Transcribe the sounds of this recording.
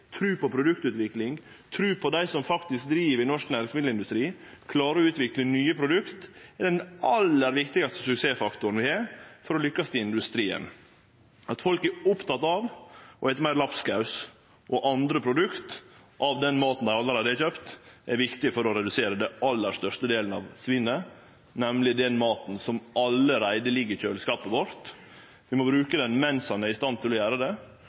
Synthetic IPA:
t̪ʰɾʉːpɔpʰɾʊd̪ʉkt̪ʉːt̪ʋɪklɪŋ | t̪ʰɾʉːpʰɔd̪æɪsɔmfɑkt̪ɪsk̚d̪ɾiːʋəɾɪnɔʂknæɾsmɪd̪l̩ɪnd̪ʉst̪ɾiːkʰlɑːɾəɔʉːt̪ʋɪklənyːəpʰɾʊd̪ʉkt̪ɛd̪ɛnɑlːəɾʋɪkt̪ɪɡɑst̪ə̥sʉkseːfɑkt̪ʊɾn̩ʋɪhɑːfɔɾɔlʏkːɑst̪ɪɪnd̪ʉst̪ɾiːə̰n | ɑt̪fɔlkɛɾʊpt̪ɑt̪ɑʋʔɔɛɪt̪əmæɪɾlɑpskɑʉs | ʔɔʔɑnd̪ɾəpʰɾʊd̪ʉkt̪ | ʔɑʋd̪ɛnmɑːt̪n̩d̪æɪɑlːəɾæɪd̪əɛçøːpt̪ʔɛɾʋɪkt̪ɪfɔɾɔɾɛd̪ʉseːɾəd̪ɛʔɑlːəʂt̪œʂtəd̪eːln̩ɑ̰ʋsʋɪnːə | nɛmlɪd̪ɛnmɑːt̪n̩sɔmʔɑlːəɾæɪd̪əlɪɡɪçøːlskɑːpəʋɔɾt̪ | ʋɪmɔbɾʉːkəd̪ɛnmɛnshɑnæɾɪst̪ɑnt̪ʰɪlɔjæːɾəd̪ɛ

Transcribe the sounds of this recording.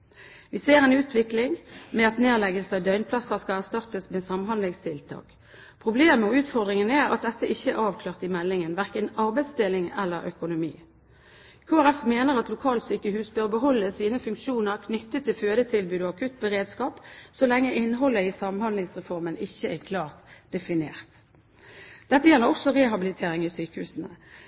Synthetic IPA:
ʋɪseːʁɛnʉːt̪ʰʋɪklɪŋmɛɑt̪neːʁlɛɡəlsɑʋd̪œʏnpʰlɑsəskɑæʁst̪ɑʁt̪əsmeːsɑmhɑnd̪lɪŋst̪ʰɪlt̪ʰɑ̰ːk | pʰʁʊbleːməɔʉːt̪fɔʁd̪ʁɪŋənɛʁɑ̰t̪̚d̪ɛt̪ːəʔɪçːəæʁɑːʋkʰlɑːʁt̪ɪmɛlːɪŋənʋæʁkənɑʁbæɪd̪st̪ɪlɪŋɛlːəɾœ̰kʊnʊmḭː | kʰoːæʁɛfmeːnəʁɑt̪lʊkʰɑːlt̪syːkəhʉːsbøːʁbəɦɔlːəsiːnəfʉŋkʃuːnəʁkʰnʏt̪ːət̪ʰːɪlføːd̪ət̪ʰɪlbyʉːd̪ɔɑkʰʉt̪bəʁeːd̪skɑːpsɔlɛŋːəʔɪnːɦɔlːəisɑmənhɑnd̪lɪŋsʁɛfɔʁmənɪçːəækʰlɑːʁt̪d̪̥ɛfɪnḛːʁt̪ | d̪̥ɛt̪ːəjɛlːəʁɔksɔʁeːɦɑbɪlɪt̪ʰeːʁɪŋiːsyːkəhʉ̰ːsənə

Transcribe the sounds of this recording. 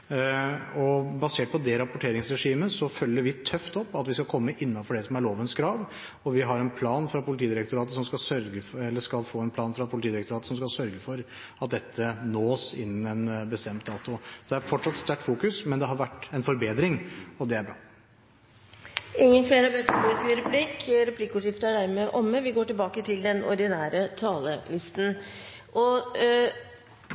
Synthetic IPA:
ɔbɑseːʈ̚pʰɔd̪ɛɾɑpʊʈʰeːɾɪŋsɾɛʂiːməsɔfœlːəɾʋɪt̪ʰœft̪ɔpːɑt̪ʋɪskɑkʰɔmːəʔɪnːɑnfɔɖɛsɔmæɭoːʋənskʰɾɑːʋ | ɔʋɪɦɑɾɛnpʰlɑːnfɾɑpʊlɪt̪ʰiːd̪ɪɾɛk̚t̪ʊɾɑːt̪əsɔmskɑlsœɾɡəfɛlːəʂkɑlfoːɛnpʰlɑːnfɾɑpʰʊlɪt̪iːd̪ɪɾɛkt̪ʊɾɑːt̪ə̥sɔmskɑlsœɾɡəfɔɾ | ɑt̪̚d̪ɛt̪ʰːənoːsɪ̰nːən̩ɛnbəst̪ɛmt̪̚d̪ɑːt̪ʊd̪ɛæɾfɔʈʂɑt̪st̪æʈːfuːkʉsmɛnd̪ɛɦɑɾʋæʈːɛnfɔɾbeːd̪ɾɪŋɔd̪ɛæbɾɑ̰ː | ʔɪŋːənfleːɾəbøːt̪əɾɡoːɾt̪ʰɪlɾɛpʰliːkɾɛpliːkːʊːʂɪft̪əæɖæɾmeːʔɔmːəʋɪɡoːʈɪlbɑːkət̪ʰɪld̪ɛnɔ̰ɾd̪ɪnæːɾət̪ʰɑːləlɪst̪n̩ʔɔ

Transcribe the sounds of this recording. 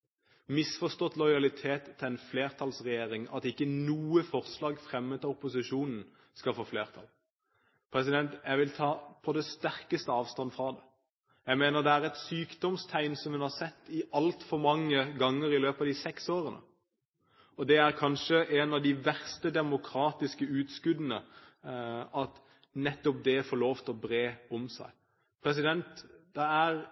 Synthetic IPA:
mɪsfɔst̪ɔt̪ːlɔɪɑlɪt̪ʰeːt̪ʰːɪɛɪnfleːʁt̪ʰɑlsʁɛjeːɾɪŋɑ̰t̪ɪkːənuːəfɔʁslɑːɡfʁɛmːət̪ɑʊpːʊsɪʂuːnn̩ | skɑfoːfleːʁt̪ʰɑ̰l | pʰɾɛsɪd̪ɛnt̪jæɪʋɪlt̪ʰɑːpʰɔd̪ɛst̪æʁkəst̪əɑːʋst̪ɑnːfɾɑːd̪ɛ | jæɪmeːnəʁd̪ɛæʁɛt̪syːkd̪ɔmst̪ʰæɪnsɔmhʉnhɑʁsɛt̪ːɪɑlt̪fɔɾmɑŋːəɡɑŋːəɾɪløːpɑːʋd̪isɛksoːɾənə̰ | ɔd̪ɛæɾʁkʰɑnʂəʔɛnɑʋd̪ɪʋæʁst̪əd̪ɛmʊkʰɾɑːt̪ɪskəʉːt̪skʉd̪ənə | ɑt̪ | nɛt̪ːɔp̚d̪ɛfɔɾloːft̪ɔbɾeːɔmsæ̰ɪ | pʰɾɛs̬ɪd̪ɛnt̪d̪̥ɛæɾ

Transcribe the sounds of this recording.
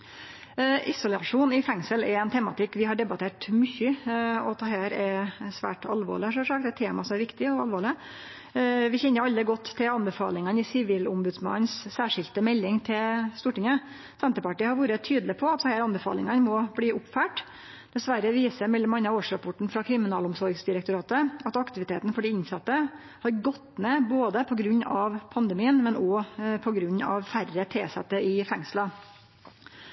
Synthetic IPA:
ʔɪsʊlɑʂuːnɪfɛŋsəlɛɛnt̪ʰɛmɑ̰t̪ɪkːʋɪɦɑɖɛbɑt̪ʰeːʈmʏçːəɔt̪ʰɑɦæːɾæsʋæ̰ːʈɑlʋo̰ːɭɪhɑʂɔʂɑːkt̪æt̪ʰːeːmɑsɔmæɾʋɪkt̪ɪɔɑ̰lʋoːɭɪ | ʋɪçɛnːəɾɑlːəɡɔt̪ːt̪ʰːɪlɑnbɛfɑ̰ːlɪŋənɪsɪʋiːlʊmbʉd̪smɑ̰nːssæːʂɪlt̪əmɛlːɪŋt̪ʰɪlst̪uːʈɪŋə | sɛnt̪əɾpɑʈiːəhɑɾʋuːɾət̪ʰyːd̪lɪpʰɔɑt̪sɔhæːɾɑnbɛfɑ̰ːlɪŋɑnmɔbliːʔʊpfæːʈ | d̪̥ɛsʋæɾəʋiːsəɾmɛlːəmɑnːɑoːʂɾɑpʰɔʈɳ̩fɾɑkʰɾɪmɪnɑːlʊmsɔɾɡsd̪ɪɾɛkt̪ʊɾɑːt̪əɑt̪ɑkt̪ɪʋɪt̪ʰeːt̪n̩fɔɖɛɪnsɑt̪ːə | hɑɾɡɔt̪ːmeːboːd̪əpʰɔɡɾʉɲːɑʋpʰɑnd̪ɛmiːənmɛnʔɔpʰɔɡɾʉɲːɑ̰ʋfærət̪ʰeːsɛ̰t̪ːəɪfɛŋslɑ

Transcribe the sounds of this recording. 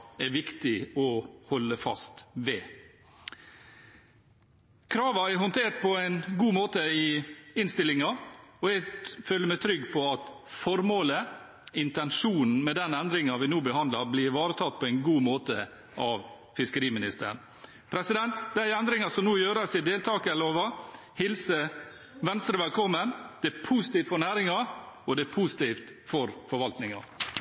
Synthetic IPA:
æʋɪkt̪ɪɔhɔlːəfɑ̰st̪ʋɛː | kʰɾɑːʋɑæɾɦɔnt̪ʰeːʈ̪̚pʰɔæɪnɡuːmoːt̪əɪɪnst̪ɪlːɪŋɑɔɛɡføːlːəmæɪt̪ʰɾʏɡːpʰɔɑt̪ | fɔɾmoːlə | ɪnt̪ɛnʂuːnn̩mɛd̪ɛnɛnd̪ɾɪŋɑʋɪnuːbəhɑnd̪lɑɾblɪɾʋɑːɾət̪ʰɑt̪̚ːpʰɔɛɪnɡuːmoːt̪ə | ʔɑʋ | fɪskəɾiːmɪnɪst̪ə̰ɾəɳ̩ | pʰɾɛsɪd̪ɛnt̪d̪æɪɛnd̪ɾɪŋɑsɔmnuːjøːɾɑsɪd̪eːlt̪ʰɑːkəɛloːʋɑ | hɪlsə | ʋɛnst̪ɾəʋɛlkʰɔmːənd̪̥ɛpʰusɪ̥t̪iːft̪fɔɾnæːɾɪŋɑɔd̪ɛpʰusɪ̥t̪iːft̪fɔɾfɔɾʋɑlt̪nɪŋɑ̰

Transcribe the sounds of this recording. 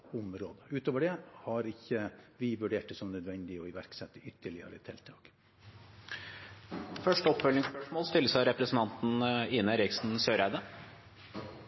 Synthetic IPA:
ʊmɾoːd̪əʉːt̪oːʋəɖɛhɑɾɪçːəʋɪʋʉɖeːʈəsɔmnœd̪ʋɛnd̪ɪɔɪʋæɾksɛt̪ːəʏt̪ʰːəɭɪə̰ɾə̰t̪ʰɛlt̪ʰɑːɡ̥ | fœʂʈəɔpːfœlnɪŋspœʂmoːlst̪ɪlːəsɑɾɛpɾəsn̩t̪ʰɑnt̪n̩ɪnəɾɪksn̩søːɾæɪd̪ə

